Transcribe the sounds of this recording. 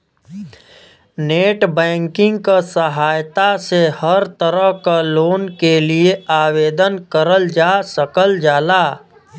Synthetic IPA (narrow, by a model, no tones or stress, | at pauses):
neːʈbɛ̃ːŋkɪ̃ŋɡkasəɦaːjt̪asehəɾt̪əɾəɦkaloːnkelieaːweːd̪ənkəɾəld͡ʒaːsəkəld͡ʒaːlaː